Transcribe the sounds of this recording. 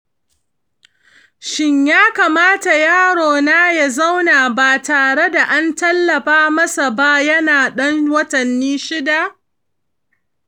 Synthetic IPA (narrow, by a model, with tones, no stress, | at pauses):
ʃɪ˦ɲjaː˦ka˨maː˦ta˨jaː˦ɽoː˨naː˦ja˨za˦wnaː˨baː˨taː˨ɽe˦da˨ʔa˦ntɐ˦lːɐ˨ɸaː˦mɐ˦sa˨ba˦jɐ˦naː˨ɗɐ˦nwɐ˦tɐ˨nːiː˦ʃɪ˦da˨